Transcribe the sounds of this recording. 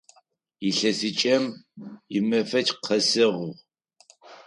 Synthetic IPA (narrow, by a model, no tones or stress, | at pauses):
jiɬɐsɨt͡ʃʼɐmjɪmɐfɐt͡ʃʼqʰɐsɨʁʊʁ